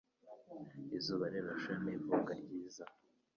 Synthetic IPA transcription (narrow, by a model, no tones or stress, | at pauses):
izuːβaɾeβaʃaniːvukaɾɟiːza